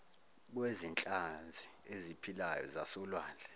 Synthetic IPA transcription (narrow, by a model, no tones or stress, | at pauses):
k̬wezint͡ɬʼand͡zʱiezipʰilajɔ̰zasɔlwaːnd͡ɮʱɛ